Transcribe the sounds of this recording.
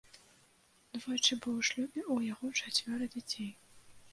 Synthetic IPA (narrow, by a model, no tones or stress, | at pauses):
d̪vɔjt͡ʂɨbɨwʂlʲud̪ʲiʔujaɣɔt͡ʂat͡sʲvʲɔɾɐd͡zʲat͡sʲej